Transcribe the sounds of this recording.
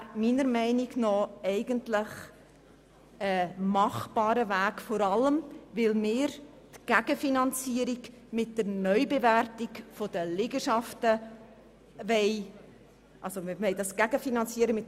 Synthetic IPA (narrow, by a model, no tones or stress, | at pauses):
miːnəɾmɛɪniɡnɔɛɪɡəntlɪχ | əmɑχb̥ɑːɾəvæːkfoɾɑləmvɪlmɪːɾ | tɡ̥æɡ̥əfinɑnt͡siəɾiɡ | mɪt̚d̥əɾnœʏbevæɾtiɡfod̥əlɪɡəʃɑftə | vɛɪ | ʔɑlzomɪɾmɛɪdɑsɡ̥æɡ̥əfinɑnt͡siːəɾəmɪt